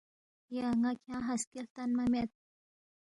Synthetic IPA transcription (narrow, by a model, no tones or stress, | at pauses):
jaŋakʰaɦaskelt̪anmamet̪̚